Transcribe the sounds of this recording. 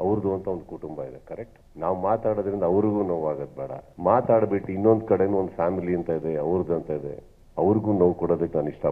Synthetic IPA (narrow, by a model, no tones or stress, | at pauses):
ɐʋɾd̪uɐnt̪ʰɐond̪ukuʈumbɐid̪ekɐɾek̚ʈ | naːʋumaːt̪aːɽoːd̪ɐɾind̪ɐɐʋɾiɡuːnoʋaːɡɐd̪̚bɛːɽɐ̰maːt̪aːɽbeʈːuinːo̞nd̪kɐɽenuːond̪ufaːmiliɐnt̪aid̪eɐʋɾd̪uɐnt̪aid̪ḛ | ɐʋɐɾiɡuːnoʋkɔɽoːd̪ɐkːenaːniʂʈɐ